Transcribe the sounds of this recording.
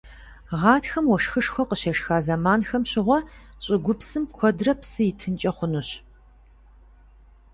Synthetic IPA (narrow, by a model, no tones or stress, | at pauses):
ʁɑːtxɐmwɔʂxɨʂxʷɔqəɕeʂxaːzɐmaːnxɐmɕɪʁʷɔ | ɕʼɪɡʷʊpsɨmkʷʰɔdrɐpsɨjɪtʰɨnt͡ʃʼɐχʷʊnuɕ